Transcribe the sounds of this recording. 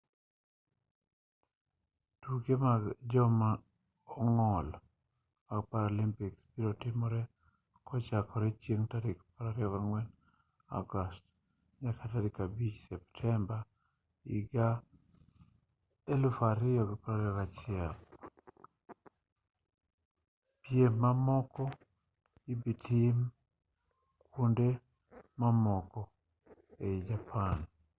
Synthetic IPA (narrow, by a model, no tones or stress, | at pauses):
tuɡemaɡd͡ʒɔma | ɔŋɔl | maɡpaɾolimpikspiɾotɪmɔɾɛ | kʰɔt͡ʃakɔɾɛt͡ʃjeŋtaɾɪkpaɾaɾɪɔβaɾŋwɛn | a̰ɡɔst | ɲakʰataɾɪkabit͡ʃsɛptʰɛmba | ḭɡa | elufaɾɪjɔɡipaɾaɾiɾat͡ʃiɛl | pjemːamɔkɔ | ibitʰim | kʰunde | mamɔkɔ | eid͡ʒapʰan